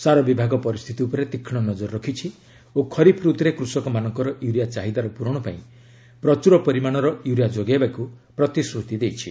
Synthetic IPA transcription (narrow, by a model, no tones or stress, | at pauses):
saɾɔbibʱaɡɔpɔɾist̪ʰit̪iupɔɾet̪ikʰːiɽ̃ɔnɔd͡ʒɔɾːɔkʰit͡ʃʰi | okʰɔɾipʰɾut̪ɾekɾusɔkɔmanɔŋkɔɾɔʔjuɾijat͡ʃaɦid̪aɾɔpuɾɔɽ̃ɔpa̰ĩ | pɾɔt͡ʃuɾɔpɔɾimaɽ̃ɔɾɔjuɾijad͡ʒoɡabakupɾɔt̪isɾut̪id̪ejt͡ʃʰi